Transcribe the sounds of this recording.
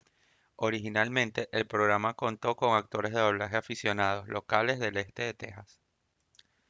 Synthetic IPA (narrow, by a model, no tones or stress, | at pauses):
o̞ɾixinalmẽ̞nt̪e̞ʔelpɾo̞ɣɾamako̞nt̪o̞ko̞ŋak̚t̪o̞ɾe̞zðeðo̞β̞laxe̞afisjo̞nað̞o̞slo̞kale̞zðe̞le̞st̪e̞ðe̞t̪e̞xas